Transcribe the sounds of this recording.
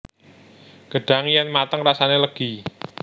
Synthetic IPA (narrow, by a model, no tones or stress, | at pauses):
ɡ̥əɖ̥a̤ŋijanmat̪əŋrasaneləɡ̥i